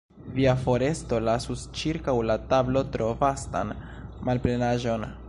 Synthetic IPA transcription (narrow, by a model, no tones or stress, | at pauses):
viafo̞ɾe̞sto̞lasust͡ʃiɾkawlatablo̞tɾo̞vasta̰n | malpɾe̞naʒo̞n